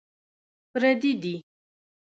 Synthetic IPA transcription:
pɾad̪id̪i

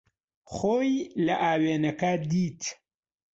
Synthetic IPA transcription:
xoːjlɐʔaːweːnɐkɐd̪iːt̪

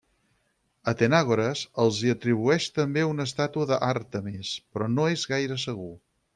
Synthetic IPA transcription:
ət̪enaɣoɾəzəlˠziət̪ɾiβ̞uɛʃt̪əmbeunəs̬t̪at̪uəðəʔart̪əmespɾɔnoezɣajɾəsəɣu

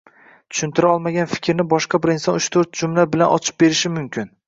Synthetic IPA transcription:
t͡ʃ̪ʰʊ̥ʃʊnt̪ɪɾaɒlˠmaɡʲanfɪ̥kʲʰɾnɪbɒʃqɑbɪɾɪnsɒnʊt͡ʃt̪ʰoɾt̪̚d͡ʒʊmlabɪlanʔɒ̰t͡ʃʰɪ̥p̚be̞ɾɪʃɪmʊmkʲɪn

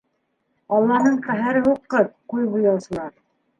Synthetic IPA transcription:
ɑlˠːɑnɤɴqæɦæɾɘɦuqːɤp̚qujbujɑwsɤ̆lˠɑɾ

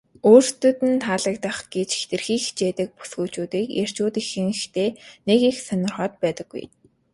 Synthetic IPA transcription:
oːr̥t̪ɵ̆t̪ɘ̆nt̪ʰaːɮə̆k̚t̪ə̆χɡ̥et͡ɕxt̪ɘ̆rxiːxi̥t͡ɕeːt̪ə̆k̚pu̥sɡuːt͡ɕuːt̪iːkjar̥t͡ɕuːt̪ixɘ̆ŋxt̪ʰeːnekixsœnʲɪ̆rχɔːt̪̚pæːt̪ə̆ɡːṵj

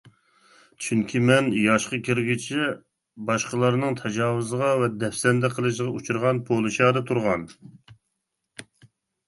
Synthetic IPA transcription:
t͡ʃʰyŋkʲʰimɛnjɑʃqəkʲʰiɾɡʲit͡ʃʰi | bɑʃqəlˠɑɾnɨŋt̪ʰɛd͡ʒɑːwuzəʁɑvɛd̪ɛfsɛnd̪ɛqʰəlˠɨʃ̬ʁɑut͡ʃʰuɾʁɑnpʰolˠɨʃɑːd̪ɑt̪ʰuɾʁɑn

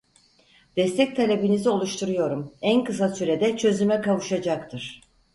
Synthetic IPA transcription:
d̪̥ɛst̪ʰɛc̚t̪ʰalʲebinizio̞lˠuʃt̪ʰuɾujo̞ɾumænkɯsasyɾed̪ɛt͡ʃʰø̞zymɛkavuʃad͡ʒakt̪ʰɯɾ̥

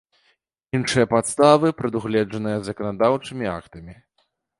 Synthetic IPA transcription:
inʂɨjɐpat̪st̪avɨpɾɨd̪uɣlʲɛd͡ʐɐnɨjɐzɐkɐnad̪awt͡ʂɨmʲia̰kt̪ɐmʲi

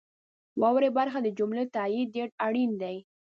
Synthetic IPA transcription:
wɑwɾebaɾxad̪əd͡ʒʊmlet̪ajiːeʈaɽind̪aj

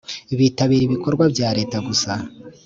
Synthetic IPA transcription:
iβiːtaβiːɾiβikʰo̞ɾɡwabjaːɾe̞ːtaɡusa

